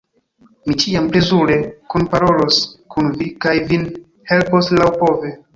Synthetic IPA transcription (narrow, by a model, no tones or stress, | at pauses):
mit͡ʃiample̞zuɾe̞kunpaɾo̞lo̞skunvikajvin | he̞lposlawpo̞ve